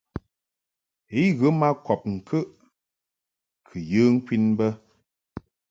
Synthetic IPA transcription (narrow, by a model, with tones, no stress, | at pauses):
e˨˦ɣə˨˦ma˦kɔ˨p̚ŋ̩˨kʰə˦ʔ | kʰɨ˨jɨ˦ŋ̩˦kwi˦nbə˦